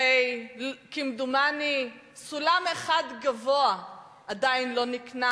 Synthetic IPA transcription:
ejkimd̪umani | sulameχad̪ɡavoa | ad̪ainlo̞nikna

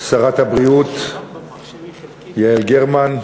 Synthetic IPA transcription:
saʁat̪habʁiut̪ | jaelɡeʁman

